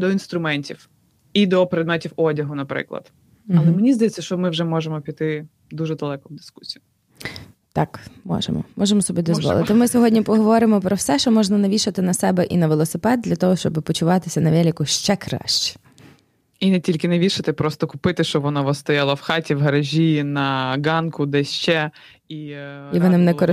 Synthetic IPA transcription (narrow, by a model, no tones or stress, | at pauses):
d̪ɔinst̪ɾʊmɛnʲtʲiw | id̪ɔpɾɛd̪mɛtʲiwɔdʲɐɦʊnɐpɾɪ̰klˠɐ̰d̪̥ | ɐlˠɛmenʲizd̪ɐjɛt͡sʲːɐʃt͡ʃɔmɪwʒɛmɔʒemɔpʲit̪ɪ | d̪uʒɛd̪ɐlˠɛkɔmd̪ɪ̥sku̥sʲijʊm | t̪ɑkmɔ̰ʒḛmɔ̰mɔʒemɔsɔbʲid̪ɔzʋɔ̰lˠɪ̰t̪ɪmɪsʲɔɦɔdʲnʲipɔɦɔʋɔɾɪmɔpɾɔwsɛʃt͡ʃɔmɔʒnɐnɐʋʲiʃɪt̪ɪnɐsɛbɛʔḭnɐʋelˠɔsepɛd̪̚d̪ʲlʲɐt̪ɔɦɔʃt͡ʃɔbɪpɔt͡ʃʊʋɑt̪ɪsʲɐnɐʋʲɛlʲikʊʃt͡ʃɛkɾɑ̰ʃt͡ʃɪ̥ | inɛtʲilʲkɪnɐʋʲiʃɐt̪ɪpɾɔst̪ɔkʊpɪt̪ɪʃt͡ʃɔbʋɔnɔʋɔst̪ɔjɑlˠɐwxɑtʲiwɦɐɾɐʒʲinɐɡɑnkʊd̪ɛʃt͡ʃɛ | iiʋɔnɪmnɛkɔɾ